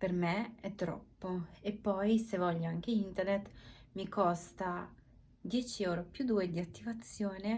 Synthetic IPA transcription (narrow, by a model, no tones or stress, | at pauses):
pɛɾmɛɛt̪ɾɔ̰pːɔɛpɔjsɛvɔʎaŋkɛint̪ɛɾnɛt̪mikʰɔst̪a | d̪jɛt͡ʃiɛwɾɔpjud̪uɛd̪iat̪ːivat̪sjɔnɛ